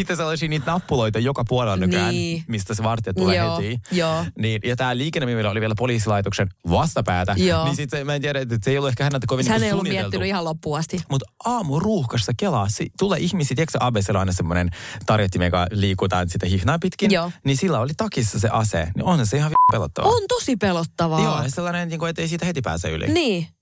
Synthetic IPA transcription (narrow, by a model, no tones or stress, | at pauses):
it̪ːeselːɑsiːniːt̪nɑpːuloit̪ɑjokɑpuolelːɑnynkænmist̪æseʋɑrt̪ːet̪ːuleiːjoːniːnjɑt̪æːliːkenːemimilːæoliʋielæpoliːsilɑit̪oksenʋɑst̪ɑpæːt̪æoːnisit̪semæent̪iæɾæet̪ːet̪seijoluehkæhænːælt̪ækoʋinnːnesuoːniieelt̪ːynyihɑlopːuɑst̪imut̪ʔɑːmuruːxkɑsːɑkelɑsːḭt̪ulːeʔihmisiːt̪iekseʔɑbeselɑinɑsemːonent̪ɑrjɑt̪ːimḛkɑ̰liːkut̪ɑ̰ːnsit̪æhihnɑːmpit̪kinoːnisilːæolit̪ɑkisːɑsḛʔɑsḛnḭʔonɑseihɑʋipelo̰t̪ːɑ̰ʋ̰ɑont̪osipelot̪ːɑʋɑjoneselːɑnenniːŋkoet̪ːeisiːt̪æhet̪ipæ̰ːsæ̰y̰lḭniː